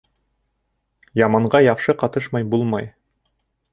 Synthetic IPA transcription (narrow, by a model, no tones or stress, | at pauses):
jɑmɑɴɢɑjɑwʃɤqɑt̪ɤʃmɑjbulˠmɑj